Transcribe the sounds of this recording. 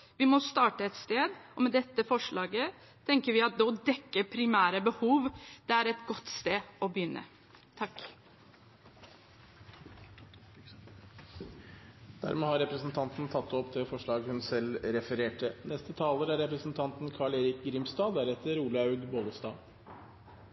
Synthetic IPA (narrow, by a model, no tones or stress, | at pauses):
ʋɪmɔst̪ɑːʈəɛt̪st̪eːd̪ɔmɛd̪ɛt̪ːəfɔʂɭɑːɡə | t̪ʰɛŋkəɾʋɪɑt̪̚d̪ɛɔd̪ɛkːəpʰɾɪmæːɾəbəhuːʋd̪ɛæɾɛt̪ɡɔt̪ːst̪eːɔbəjʏnːə̰ | t̪ʰɑkː | d̪æ̰ɾmeːhɑɾɛpɾəsn̩t̪ʰɑnt̪n̩t̪ʰɑt̪ːɔpt̪ʰɪlfɔʂɭɑːɡhʉnsɛlɾɛfəɾeːʈʰənɛst̪ət̪ʰɑːləɾæɾːɛpɾəsn̩t̪ʰɑnt̪nkʰɑɭeːɾɪkɡɾiːmst̪ɑːd̪æɾɛt̪ːəɾuːləɑʉɡ̪boːɡ̪əst̪ɑ̰ː